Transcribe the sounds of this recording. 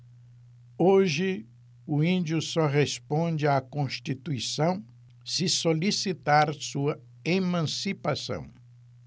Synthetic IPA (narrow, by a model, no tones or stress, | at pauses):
oʒɪ | ʊĩnd͡ʒjʊsɔʁespõd͡ʒɪakõst͡ʃit̪uisɐ̃w̃ | sɪsolisit̪aɾsuɐ | emɐ̃sipasɐ̰̃w̃